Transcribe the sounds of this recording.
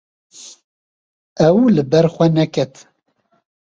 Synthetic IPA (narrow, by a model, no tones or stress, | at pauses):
ɛwlɨbɛɾxʷɛnɛkɛt̪